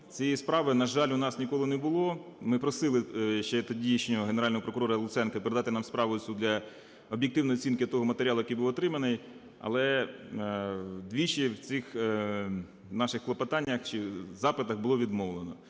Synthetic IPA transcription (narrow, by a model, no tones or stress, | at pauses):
t͡sʲijispɾɑʋɪnɐʒɑlʲʊnɑsnʲikɔlˠɪnɛbʊlˠɔmɪpɾɔsɪlˠɪʃt͡ʃɛt̪ɔdʲijɐʃnʲɔɦɔɦeneɾɑlʲnɔɦɔpɾɔkʊɾɔɾɐlˠʊt̪sɛnkɐpeɾed̪ɑt̪ɪnɑmspɾɑʋʊsʲud̪ʲlʲɐ | ɔbjek̚t̪ɪwnɔjɔt͡sʲinkɪt̪ɔɦɔmɐt̪eɾʲɑlˠʊjkijbuʋɔt̪ɾɪmɐnɪj | ɐ̰lˠɛ | d̪ʋʲit͡ʃiwt͡sʲɪx | nɑʃɪxklˠɔpɐt̪ɑnʲːɐxt͡ʃɪzɑpɪt̪ɐɣbʊlˠɔʋʲid̪mɔʋlˠenɔ